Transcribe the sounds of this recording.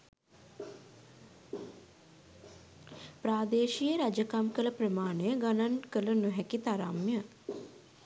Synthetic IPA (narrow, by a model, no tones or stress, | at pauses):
pɾaːd̪eːʃijəɾad͡ʒəkamkələpɾəmaːɳejəɡanankələnuɦɛkit̪aɾa̰mjə